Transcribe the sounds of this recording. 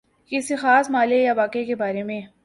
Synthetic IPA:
kɪsixaːsmaːlejaʋaːkekebaːɾemẽː

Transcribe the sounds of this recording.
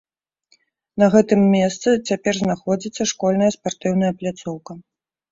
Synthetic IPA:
nɐɣɛt̪ɨmːʲɛst̪sɨt͡sʲapʲɛrznaxɔd͡zʲit̪sːɐʂkɔlʲnɐjɐspart̪ɨwnɐjɐplʲat̪sɔwkɐ

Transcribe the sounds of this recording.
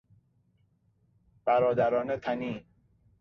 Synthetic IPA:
b̥æɾɒːd̪æɾɒːnet̪ʰæniː

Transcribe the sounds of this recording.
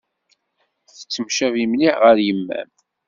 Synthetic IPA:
θə̥t͡sːəmʃævimniʁəɾjəmːæ̰m

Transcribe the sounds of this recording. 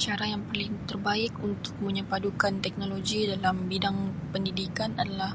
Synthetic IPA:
t͡ʃaɾajaŋpərlɪŋt̪ərbaɪkunt̪ʊ̥k̚məɲəpadukant̪ɛk̚noloɡidalambidaŋpəndidikanadalah

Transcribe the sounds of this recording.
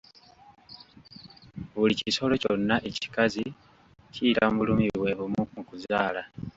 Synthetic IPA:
βuliciso̞lo̞co̞nːaʔe̞ci̥kazi | ciːɾaβulumiwe̞βumumukuzaːla

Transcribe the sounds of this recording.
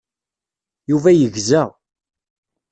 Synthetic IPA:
juvæjəʝzæ

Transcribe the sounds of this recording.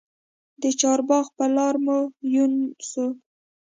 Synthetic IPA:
d̪ət͡ʃɑɾbɑxpəlɑɾmojunsu

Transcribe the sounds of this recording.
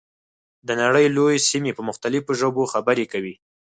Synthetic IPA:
d̪ənaɽəjlojesimepəmʊxt̪alɪfoʒoboxabəɾekawi

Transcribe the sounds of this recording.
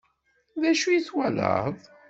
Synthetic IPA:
ðæʃujiθwælə̰ðˤ

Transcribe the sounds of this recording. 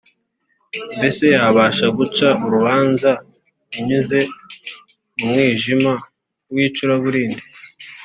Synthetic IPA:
mbe̞se̞jaːβaʃaɡut͡ʃauɾuβaːnza | iɲuze̞ | umŋiːʒima | ɾwiːt͡ʃuɾaβuɾiːndi

